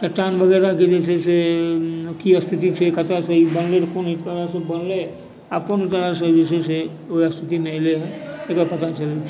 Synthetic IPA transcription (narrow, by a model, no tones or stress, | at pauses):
t̪əʈanʋəɡeɾaked͡ʒet͡ʃʰese | kiəst̪ʰit̪it͡ʃʰekət̪asəibənleɾkonit̪əɾasə̃bənle | abkonit̪əɾasəd͡ʒet͡ʃʰesʰe | oiəst̪ʰit̪imeəleɦəekəpət̪at͡ʃəlet͡ʃʰ